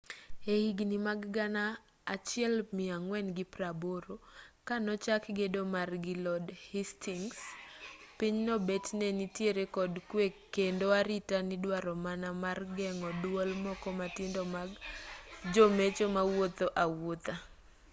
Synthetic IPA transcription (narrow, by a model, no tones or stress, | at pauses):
ehiɡnimaɡɡanaː | t͡ʃɪɛlmɪaŋwɛnɡɪpɾaboɾokanɔt͡ʃakɡedomarɡɪlɔdhistiŋs | piɲnɔbetnɛnitjeɾekɔdkwekendoaɾitanɪdwaɾɔmanamarɡɛŋɔdwolmɔkɔmatɪndomaɡ | d͡ʒomet͡ʃomawot̪oʔawot̪a